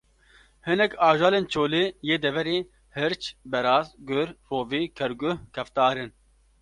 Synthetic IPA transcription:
hɨnɛkɑːʒaːleːnt͡ʃʰoːleːjeːd̪ɛvɛɾeː | hɨɾt͡ʃbɛɾɑːzɡʊɾroːviːkʰɛɾɡʊhkʰɛft̪aːɾɨn

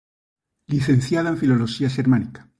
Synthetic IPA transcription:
liθẽnθjaðaeɱfilo̞loʃiaʃeɾmanikḁ

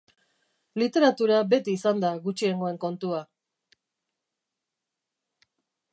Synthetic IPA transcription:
lit̪e̞ɾat̪uɾabe̞t̪iːsand̪aɣut͡ʃie̞ŋɡo̞e̞ŋko̞nt̪ua

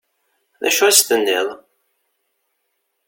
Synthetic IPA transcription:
ðæ̰ʃuæst̪ənːḭðˤ

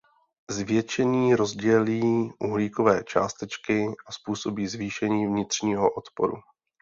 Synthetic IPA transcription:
zvjɛt͡ʃɛɲiːɾo̞zɟɛliːʔuɦliːko̞vɛːt͡ʃa̰ːst̪ɛt͡ʃkɪʔaspuːso̞biːzviːʃɛɲiːvɲɪt̪r̝̥ɲiːɦoʔot̪po̰ɾṵ

